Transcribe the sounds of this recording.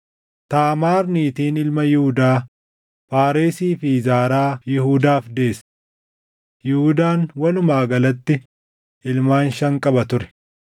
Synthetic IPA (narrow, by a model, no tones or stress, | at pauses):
t̪aːmaːɾniːt̪iːnɪlmɐjɪhʊd̪aː | faːɾeːsiːfɪzaːɾaːjɪhʊd̪aːfd̪e̞ːs | jɪhʊd̪aːnwɐlʊmaːɡɐlɐt̪ːɪ | ʔɪlmaːnʃɐŋkʼɐbɐt̪ʊɾɛ̥